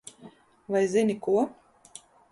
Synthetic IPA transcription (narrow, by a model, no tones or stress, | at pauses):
vajzinʲikuɔ